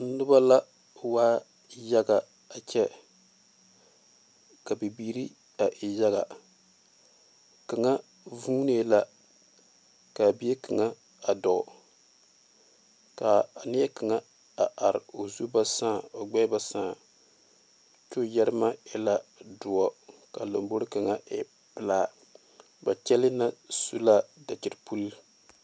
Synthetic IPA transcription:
n̩˦nɨ˦ba˦la˦ | waː˦ | ja˦ɡa˨ | a˨t͡ʃɛ˦ | ka˨bi˨biː˦ɾi˦ | a˨ʔɪ˨ja˦ɣa˨ | kɨ˨ŋa˦ | vuː˦ne˦la˦ | ka˨bi˦e˦kɨ˨ŋa˦ | a˨dɔ˨ | ka˨nɪ˦ɛ˦ka˨ŋa˦ | a˨ʔa˨ɾɪ˨o˨zu˦ba˦sãː˦˨o˨ɡ͡bɛ˦ba˦sãː˦˨ | t͡ʃo˦jɛ˦ɾɨ˦ma˦ɛ˦la˦dʊ˨a˨ka˨lo˨mbo˦ɾɨ˦ka˨ŋa˦ʔɪ˦ | pɨ˨laː˦˨ | ba˨t͡ʃɛ˦lɪ˦na˦su˦la˦da˨t͡ʃɪ˨ɾpu˦l

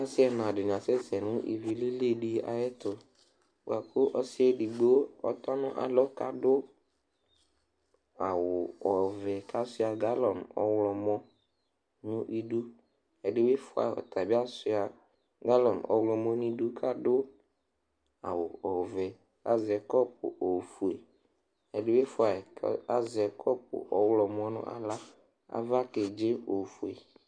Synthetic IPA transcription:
a˦sɪ˦ɛ˨nã˨dɪ˨n˨a˨sɛ˦sɛ˨nʊ̃˦ʔḭ˨vi˨le˦le˦˨ɖi˦a̰˨jɛ˦tʊ˨ | b̰a˨kʰʊ˦ʔɔ˦sɪ˦ɛ˦di˨ɡ͡bo˦ɔ̰˨tɔ˦nʊ̃˦ʔa̰˨lɔ˦ka˨dʊ˦ | a˨wʊ˨ɔ˨vɛ˨ka˦sʊ˦a˨ɡa˦lɔ˨nɔ̰˦wlɔ˨mɔ̃˦ | nʊ̃˦ʔi˨du˦ | e˨ɖɪ˦we˦fʊ˨˦a̰˨ɔ̰˨t̪ʰa˨bi˦a˦sʊ˦a˨ | ɡa˦lɔ˨nɔ̰˦wlɔ˨mɔ̃˦n˦ĩ˦du˦kʰa˦ɖʊ˦ | a̰˨wʊ˨ɔ˨vɛ˨ | a˦zɪ˨ɛ˨kɔ˦p̚ʊ̰˨ʔo˨fu˨e˨ | e˨ɖɪ˦we˦fʊ˨a˨˦a˦zɛ˨˦kʰɔ˦p̚ʊ̰˨ʔɔ˦wlɔ˨mɔ̃˦nʊ̰̃˦ʔa̰˨la˦ | a̰˦˨va˦ke˨d͡ʒe˦o˨fu˨e˨

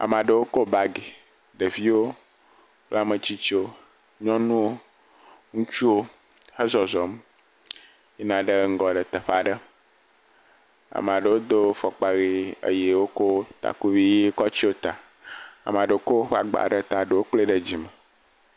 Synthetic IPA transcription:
a̰˨m˨ã˨ɖə˨wo˦ko˦ba˦ɡe˨ | ɖə˨vi˦wo˦ | k͡pla˦mə̃˨t͡ɕi˦t͡ʃo˦ | ɲɔ̃˦nũ˦o˦ | ŋũ˦t͡ʃu˦wo˦ | hə˦zɔ˨zɔ˨m | e˦nã˨ɖə˦ŋ̩˦ɡɔ˨ɖə˨t̪ə˨ɸa˨ɖə˦ | a̰˨m˨ã˨ɖə˨wo˦d̪o˦fɔ˨k͡pa˨ɣi˦ə̰˨je˨wo˦ko˦t̪a̰˨ku˦vi˦ji˦kɔ˦t͡ɕi˦wo˦t̪a˨ | a̰˨m˨ã˨ɖə˨wo˦ko˦wo˦ɸa̰˨ɡ͡ba̰˨ɖə˦t̪a˨ɖə˨wo˦k͡ple˦ɖə˦˨d͡ʑi˨mə˨

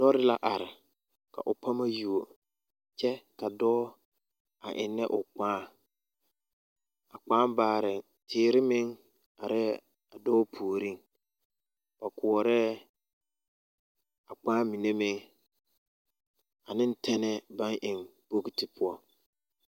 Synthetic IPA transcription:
d̥ɔ˦ɾɪ˦la˦ʔa˨ɾɪ˨ | ka̰˨ʔʊ˨pʰa˦ma˦ju˨o˨ | t͡ʃɛ˦ka˨dɔ˦ | a˨ʔɪ̰˨nːɛ˦ʔʊ˨k͡pãː˦ | a˨k͡pãː˦baː˨ɾɪ˨ | tʰɪː˨˦˨ɾɪ˦mɪ˦ŋ | a˨ɾɛ˦ | a˨dɔː˦pʰu˨ɾi˦ŋ | b̥a˨kʊ˨ɔ˨ɾɛ˦ | a˨k͡pãː˦mi˨ne˦mɪ˦ŋ | a˨nɪ̃˦n˦tʰɛ˦nɛ˦ba˦ŋʔɪ˨ŋbo˦ki˦tɪ˨pʰʊ˦ɔ˦

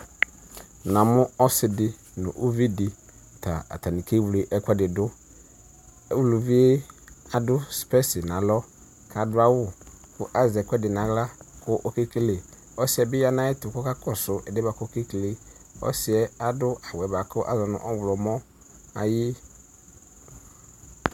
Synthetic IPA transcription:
nã˨mʊ̃˦ɔ˦sɪ˨dɪ˦ | nʊ̰̃˨ʔo˦vi˦dɪ˨ | tʰa̰˨a̰˨tʰa˨nĩ˨kʰe˦wle˨˦ʔɛ˦kʷʰɛ˦dɪ˨dʊ˦ | ɛ˦wlu˨vi˦e˦a˨dʊ˦spɛ˦sɪ˨nã˨lɔ˦ | kʰa˨dʊ˦a˦wʊ˦kʊ˦ʔa˦zɛ˨kʷɛ˦dɪ˨nã˨ɣla˦kʰʊ˦ʔɔ˦ke˦ke˦le˨ | ɔ˦sɪ˨ɛ˨bɪ˦ja˦nã˦ɪ˦tʊ˨kɔ˦ka˦kʰɔ˦sʊ˨ʔɛ˨dɛ˦ba˨kʊ˦ke˦kle˦ɔ̰˦sɪ˨ɛ˦a˦dʊ˦a˨wɛ˨ba˨kʊ˦ʔa̰˦zɔ˨nʊ̰̃˨ʔɔ˦wʊ˨lɔ˨mɔ̃˦ | a˨jɪ˦

